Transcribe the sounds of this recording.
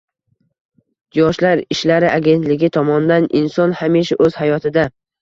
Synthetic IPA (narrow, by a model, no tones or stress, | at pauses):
d͡ʒɒʃlaɾɪʃlaɾɪʔaɡʲe̞nt̪lɪɡʲɪt̪ʰɒmɒnd̪anɪnsɒnhamiʃaʔɵz̥hajɒt̪ʰɪd̪a